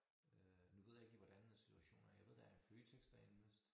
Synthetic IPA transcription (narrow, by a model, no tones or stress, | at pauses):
ønuʋe̝ð̞̰ˠjɑ̈e̝ɡ̥iʋɒd̥ænːensi̥t͡sʰuæɕo̝̰ːnæɐjaʋe̝ð̰ˠd̥ɑ̈æɐfløːt͡sʰeɡ̥sd̥ɐennəsd̥